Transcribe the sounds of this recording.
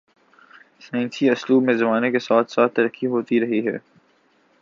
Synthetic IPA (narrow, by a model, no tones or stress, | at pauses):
sãːnsiʊsluːbmẽzɐmaːnekesaːt̪ʰsaːt̪ːɐɾəkːiɦoːt̪iɾɐɦiɦɛ̰ː